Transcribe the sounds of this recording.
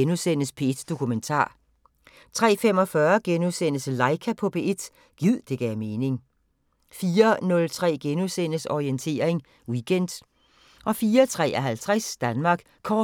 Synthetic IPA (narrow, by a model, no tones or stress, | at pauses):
enusen̰əspʰe̝ed̥d̥o̝kʰument͡sʰɑ̰̈ː | t͡sʰʁɛ̰ːfem̰ɒ̽fɶːɐɡ̥enusen̰əsəlɑ̈ɪkʰæpʰɒ̽pʰe̝ʔe̝d̥ | ɡ̥ið̞̰ˠd̥e̝ɡ̥ɛme̝ːne̝ŋ | fiːɐnɔ̽lt͡sʰʁɛ̰ːɡ̥enusen̰əsɒient͡sʰe̝̰ːɐe̝ŋ | wiɡ̥ʰen̰d̥ | ʔɒ̽fiːɐt͡sʰʁɛ̰ːʔɒɦælt͡sʰʁasd̥ænmɑ̈ːɡ̥ | kʰɒː